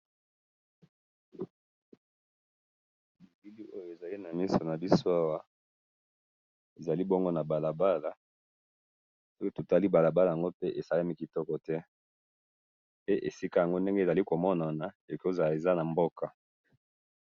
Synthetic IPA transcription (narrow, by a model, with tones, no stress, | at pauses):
mi˨ɡi˦li˦o˦jo˨e˨za˨li˦na˨mi˦so˨na˨bi˦so˦a˦wa˦ | e˨za˨li˦bɔ˦ŋɡo˦na˨ba˨la˨ba˦la˨ | so˦ki˦to˨ta˦li˦ba˨la˨ba˦la˨ja˨ŋɡo˦pe˦ʔe˨sa˦la˦mi˦ki˨tɔ˦kɔ˨tɛ˦ | pe˦ʔe˨si˦ka˦ja˨ŋɡo˦nde˦ŋɡe˦˨za˨li˦ko˨mɔ˦na˨na˨ | e˨ko˦za˨la˨e˨za˦na˨mbo˦kʰa˨